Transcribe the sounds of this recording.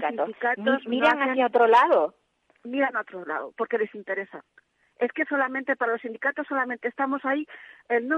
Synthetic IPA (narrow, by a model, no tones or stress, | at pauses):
kait̪osikat̪ossniɾaŋaejot̪ɾolaðo | miɾanot̪ɾola̰ðopoɾkelesint̪e̞ɾesa̰ | eskeso̞lamẽnt̪epaɾalosind̪ikat̪osːolament̪eːst̪amosaiennõ